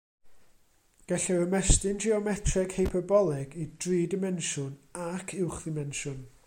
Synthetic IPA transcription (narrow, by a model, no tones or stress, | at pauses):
ɡ̥ɛɬɛəmɛstɪnd͡ʒiɔmɛtʰrɛɡ̥hejpʰɔbɔlˠɛɡid̥riːdɪmɛnʃʊnakʰɪwχðɪmɛnʃʊn